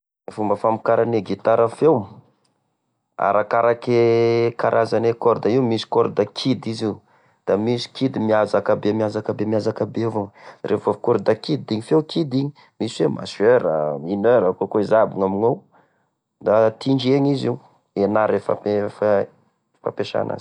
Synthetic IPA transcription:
fumbəfamikaɾaneɡit̪aɾəfewm | a̰ɾakaɾakekaɾʔazanekɔɾd̪aiwmisi̥kɔɾd̪akʰid̪iziu | d̪̥amisi̥kid̪imiazakabemiazakabemiazakabevoŋrevovkoɾd̪akid̪d̪iɲifewkʰid̪iɲi | miswema̰søɾə̰minøɾakokoizabiŋaminow | d̪at̪iɳd͡ʒeɲiziu | enaɾefa̰pef | fa̰peʃa̰na̰z

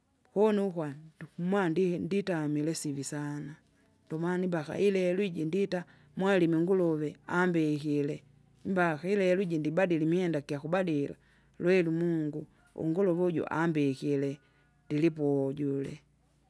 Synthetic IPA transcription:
hɔnukwamwandnditamilɛsivisana | dɔmanimbaka̰ʔilɛluwiɟindita | mwalimiŋɡulɔvɛambɛkilɛ | mbakailɛluiɟindibadilimihɛndakiakubadila̰ | lwɛlumuŋɡu | ṵŋɡulɔvuɟṵʔa̰mbɛkilɛ | ndilipɔɟulɛ̰

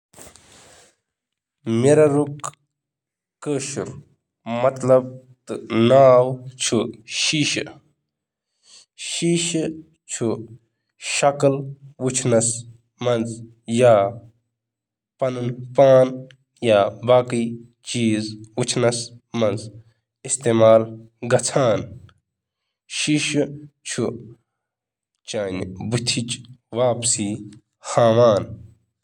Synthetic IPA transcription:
meɾɐɾuk | kəːʃuɾ | mɐt̪lɐb̚ | t̪ɨnaːwt͡ʃʰuʃiːʃ | ʃiːʃ | t͡ʃʰu | ʃɐkəlʋut͡ʃʰnɐs | mɐnz | jaː | pɐnunpaːn | jaːbaːki | t͡ʃiːzʋut͡ʃʰnɐsmɐnz | ist̪eːmaːl | ɡɐt͡sʰaːn | ʃiʃt͡ʃʰu | t͡ʃaːnbut̪ʰit͡ʃʋaːpsi | xaːʋaːn

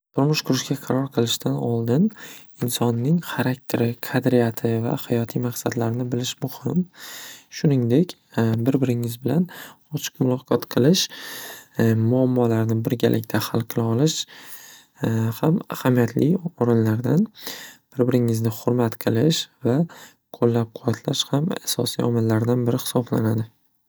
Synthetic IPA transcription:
t̪ʰʊɾmʊʃqʊɾɪʃkʲaqʰɑɾɒɾqʰɨlˠɪʃt̪ʰanɒlˠd̪ɪn | ɪnsɒnːɪŋχaɾak̚t̪ʰe̞ɾɪqʰad̪ɾijat̪ʰɪva̰hajɒt̪ʰijmaqsad̪laɾnɪbɪlɪʃmʊhɪm | ʃʊnɪŋd̪e̞kʲ | bɪɾbɪɾɪŋɪzbɪlan | ɒt͡ʃʰɨ̥qmʊlˠɒqʰɒt̪qʰɨlˠɪʃ | mʊamːɒlaɾnɪbɪɾɡʲa̰lʔɪkʲt̪ʰahalˠqʰɨlˠɪɒlɪʃ | hama̰hamijat̪ʰlɪjɒɾɪnlaɾd̪anb̥ɪɾbɪɾɪŋɪznɪχʊɾmat̪qʰɨlˠɪʃva | kʰolːap̚qʰʊwat̪ʰlaʃhama̰sɒ̰sḭjɒmɪlːaɾd̪anbɪɾɪhɪ̥sɒbla̰nad̪ɪ

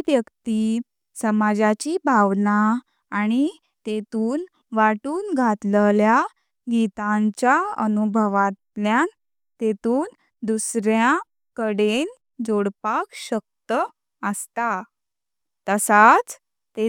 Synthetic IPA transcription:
ʋjəkt̪i | səmad͡zat͡ɕibʱaʋnaː | ɽ̃i | t̪et̪uːn | ʋaʈuːnɡʱat̪llja | ɡit̪aɲt͡ɕjaə̰nubʱəʋat̪ljan | t̪et̪uːn | d̪usɾjã | kəɽen | d͡zoɽpakɕək̚t̪ə | əst̪a | t̪əsat͡s | t̪e

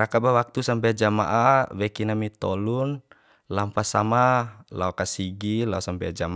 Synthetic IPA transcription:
ɾakabawak̚t̪usampɛd͡ʒama̰ʔawɛkinamit̪ɔlun | lampasamalaɔkasiɡilausampɛ̰d͡ʒama

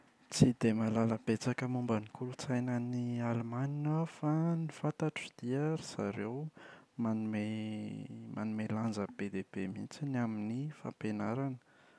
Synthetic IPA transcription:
t͡sid̪emalaləbet͡sakəmumbənikulut͡sajnənialmaninafanifant̪aʈ͡ʂud̪̥iəɾisa̰ɾewmanume | ma̰numeland͡zəb̥ed̪ebemint͡sinaminifa̰penaɾanə̥

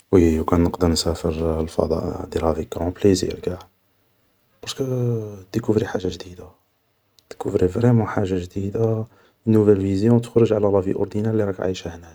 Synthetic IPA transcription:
wiwkænnəqd̪əɾˤnsæfəɾlfɑ̰d̪ˤɑ̰ʔd̪ilhæfikːɾˤɔ̃blizḭɾɡæ | b̥ɑɾˤskəd̪əkufɾiħaʒːaʒd̪id̪a | d̪̥kufɾivɾɛmɔħaʒːaʒd̪id̪a | nːuvælvizjɔ̃t̪ə̥xɾəʒʕalælˤɑfiʔʊ̰ɾd̪inæliɾˤɑkʕa̰ʃæhnæk

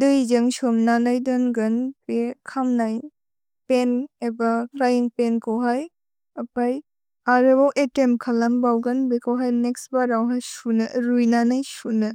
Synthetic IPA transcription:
dɯjzɐŋsɔmnanajdɔnɡɐnpekʰamnaj | penebaklajiŋpenkʰawɦaj | ɐpaj | aɾebawʔetemkʰalambawɡɐnbekʰawɦajneksbaɾawɦajsunɯɾujnanajsunɯ

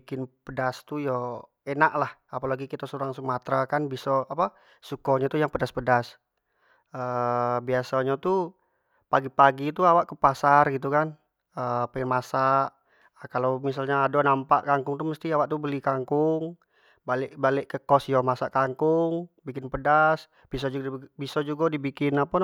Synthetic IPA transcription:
kɪnpədast̪ujɔ | enaʔlahapalaɡikit̪asuɾaŋsəŋmat̪ɾakanbisɔapa | sukɔɲat̪ujaŋpədaspədas | əbiasaɲat̪u | paɡipaɡit̪uawaʔkupasarɡit̪̬ukan | əpəmasaʔ | əkalowmis̬alɲaːdɔnampaʔkaŋkʊŋt̪uməst̪iawaʔt̪ubəlikaŋkʊŋ | balɪʔbalɪʔkəkɔsjɔmasaʔkaŋkʊŋbikɪnpədas | b̥is̬ɔd͡ʒubisɔd͡ʒuɡadibikɪnapa

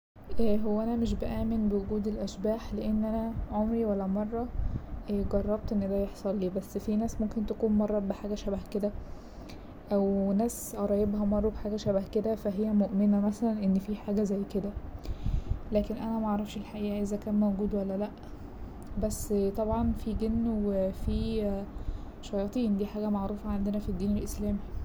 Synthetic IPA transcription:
ʔæɦowːæʔænæmeʃ̬beʔæːmenbewoɡuːd̪elʔæʃbæːħleʔenːʔænæʕomɾiwælːæmɑrˤːɑʔɡɑrˤːɑb̚t̪ʔenːed̪æːjeħsˤɑlːiːbæsːfinæːsmomkent̪ækuːnmɑrˤːɑbeħaːɡæʃæbhked̪æ | ʔæwnæːsʔɑɾˤɑːjːebhæmɑrˤːɑbħaːɡæʃæbhked̪æfæɦejːæmoʔmenæmæsælænʔenːfiːħaːɡæzæjːked̪æ | læːkenʔænæmæʔaʕɾˤɑfʃelħaʔiːʔæʔezækæːnmæwɡuːd̪wælːælæʔ | bæsːt̪ˤɑbʕɑnfiːɡenːwefiː | ʃɑjɑːt̪ˤiːnd̪iːħaːɡæmaʕɾuːfæʕand̪enæfid̪ːiːnelʔeslæːmi

